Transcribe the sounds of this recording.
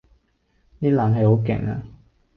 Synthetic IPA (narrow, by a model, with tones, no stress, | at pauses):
niː˥laː˨˥nɦɐ˨jho˨˥wkɛ̰˨˩ŋa̰˧